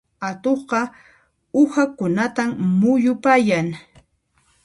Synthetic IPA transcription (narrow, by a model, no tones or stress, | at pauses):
at̪oχɢɑ | ʊhakʊnat̪ammʊjʊpajaŋ